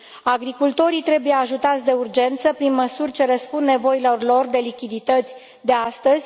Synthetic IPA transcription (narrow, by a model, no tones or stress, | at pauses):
aɡɾikult̪o̞ɾit̪ɾe̞buje̞aʒut̪at̪sʲd̪e̞urd͡ʒe̞nt̪səpɾinməsurʲt͡ʃe̞ɾəspund̪ne̞vo̞ilo̞rlo̞rd̪e̞likʲid̪it̪ət̪sʲ | d̪e̞ast̪əzʲ